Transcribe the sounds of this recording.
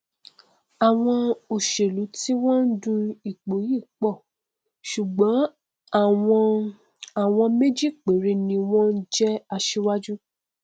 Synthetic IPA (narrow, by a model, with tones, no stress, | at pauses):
a˨w̃ɔ̃˧o˨ʃe˨lu˨˦ti˦w̃ɔ̃˦n̩˦dũ˧i˨k͡po˨˦ji˦˨k͡pɔ˦˨ | ʃu˨ɡ͡bɔ̃˨˦ | a˦˨ɔ˧ | a˨w̃ɔ̃˧me˦d͡ʒi˦˨k͡pe˨ɾe˧nĩ˧w̃ɔ̃˦n̩˦d͡ʒɛ˦a˧ʃe˧wa˦d͡ʒu˦